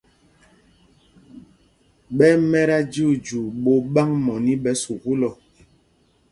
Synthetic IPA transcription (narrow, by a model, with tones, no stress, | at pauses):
ɓɛ˦mɛ˦ɾa˦d͡ʒu˦˨d͡ʒu˨ɓo˦ɓa˦ŋmɔ˨ni˦ɓɛ˦su˨ku˦lɔ˨